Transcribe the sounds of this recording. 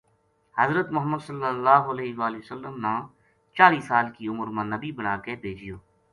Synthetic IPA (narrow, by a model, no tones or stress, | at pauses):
həzɾət̪mʊɦəmːəd̪səlːəlːaːɦoɐleːɦʋaːliəsəlːəmnãː | t͡ʃaːliːsaːlkiʊməɾmãnəbibənaːkebʱeːd͡ʒɪjoː